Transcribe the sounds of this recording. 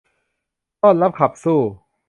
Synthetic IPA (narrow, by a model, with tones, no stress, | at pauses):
t̪ɔː˥˩nla˦˥p̚kʰa˨˩p̚suː˥˩